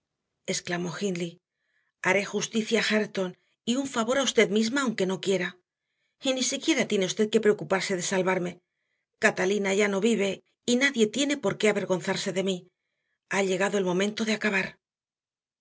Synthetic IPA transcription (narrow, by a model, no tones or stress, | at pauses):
e̞sklamo̞xinli | aɾe̞xust̪iθjaːxaɾt̪o̞n | iuɱfaβo̞ɾaust̪e̞ðmizmaːwŋke̞no̞kje̞ɾa | inisikje̞ɾat̪je̞ne̞ust̪e̞ð̚ke̞pɾe̞o̞kupaɾse̞ðe̞salβaɾme̞ | kat̪alinaʝano̞βiβ̞e̞ | inaðje̞t̪je̞ne̞po̞ɾke̞aβe̞ɾɣo̞n̟θaɾse̞ðe̞mi | aʎe̞ɣaðo̞e̞lmõ̞mẽ̞nt̪o̞ðeakaβaɾ